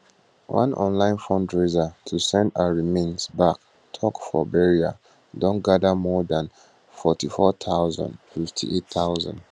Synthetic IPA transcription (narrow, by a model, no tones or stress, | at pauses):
wã̰nɔ̰̃nlãɪ̃nfɔ̃ndɹezatʰusɛ̃ndaɹimẽnsbak | tʰɔkfɔ̰bɛɹia̰ | dɔ̃nɡadəmɔdãn | fɔtifɔt̪ʰaʊzã̰ndfiftʰḭʔetθaʊzã̰nd